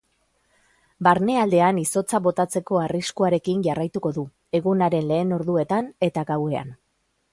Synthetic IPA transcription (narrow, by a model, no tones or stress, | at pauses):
baɾne̞ald̪e̞aniso̞t͡saβo̞t̪at͡se̞ko̞ariskuaɾe̞kinʝarajt̪uko̞ðu | e̞ɣunaɾe̞nle̞ːno̞ɾðue̞t̪ane̞t̪aɣawe̞a̰n